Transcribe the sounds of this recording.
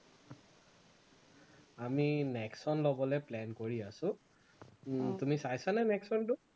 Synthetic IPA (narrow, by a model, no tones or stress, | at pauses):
aminɛksɔnlobɔlɛplɛnkoɹiasʊ̃ | tumisajsanɛnɛksɔntʊ